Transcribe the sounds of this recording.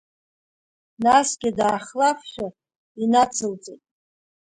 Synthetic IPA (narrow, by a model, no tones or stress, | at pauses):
nasɡʲɪdaːχlafʃʷᶣa | inat͡sʰɨlt͡sʼetʼ